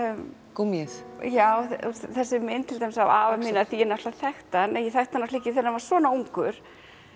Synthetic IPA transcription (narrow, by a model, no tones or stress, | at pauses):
kumjɛθjaːwθθɛsːɪmɪnt̪ʰɪlt̪ajmɪsa̰waːvaminaθiɛnaft̪laθɛxt̪anɛjɛθɛht̪anːaslɪːcɪθɛnːavaɾ̥svɔːnauŋkʏɾ̥